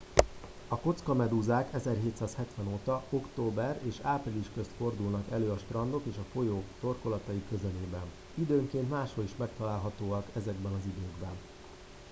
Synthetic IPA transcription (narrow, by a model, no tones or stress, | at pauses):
ɒko̞t̪skɒmɛd̪uzaːkɛzɛrɦeːt̪saːshɛt̪ʋɛnoːt̪ɒo̞kt̪oːbɛreːʃaːpriliʃkø̞st̪fo̞rd̪ulnɒkɛløːɒʃt̪rɒnd̪o̞keːʃɒfo̞joːt̪o̞rko̞lɒt̪ɒjikø̞zɛleːbɛn | id̪øːŋkeːnt̪maːʃho̞liʃmɛkt̪ɒlaːlɦɒt̪oːɒkɛzɛɡbɛnɒzid̪øːɡbɛn